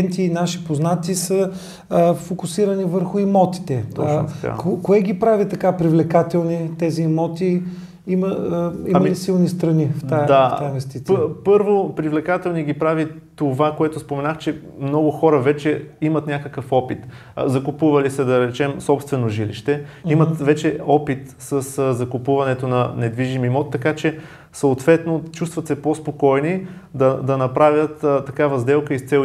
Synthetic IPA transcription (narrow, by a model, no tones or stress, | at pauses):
ɛnt̪iːnaʃi̥poznat̪isə | fokʊsiɾɐnivəɾxʊimɔt̪i̥t̪ɛɔt͡ʃːt̪a̰kokoɛɡipɾavit̪ɐkapɾivlɛkat̪ɛlˠnit̪ɛziːmɔt̪i | imɐimɐlisilˠnist̪ɾɐnift̪ad̪aainvɛst̪it̪ʲiəpɤɾvopɾivlɛkat̪ɛlˠniɡʲipɾavit̪ovakoɛt̪ʊspomɛnaxt͡ʃɛ | mnɔɡʊxɔɾəvɛt͡ʃɛimɐt̪nʲakəkəfɔpit̪ | zɐkʊpuvɐlisɛd̪ɐɾɛt͡ʃɛmsɔpst̪vɛnoʒilḭʃt̪ɛimət̪vɛt͡ʃɛɔpit̪səszɐkʊpuvɐnɛt̪onɐnɛd̪viʒimimɔt̪ːɐkat͡ʃɛ | sɐʊt̪vɛt̪not͡ʃust̪vɐt̪sɛpospokɔjni | d̪ɐd̪ɐnɐpɾavʲjət̪t̪ːɐkavɐzd̪ɛlˠkəist̪sɛ